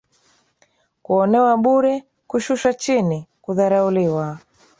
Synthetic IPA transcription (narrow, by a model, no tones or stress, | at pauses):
kuɔnɛwaɓuɾɛ | kuʃuʃwat͡ʃinikuðaɾauliwa